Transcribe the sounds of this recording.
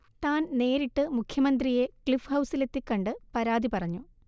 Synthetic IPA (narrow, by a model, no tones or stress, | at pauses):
t̪aːnne̞ːɾiʈːɨmukʰjɐmɐnd̪rije̞kɭifhɐwsile̞t̪ːikːɐɳɖɨpɐɾaːd̪ipɐrɐɲːu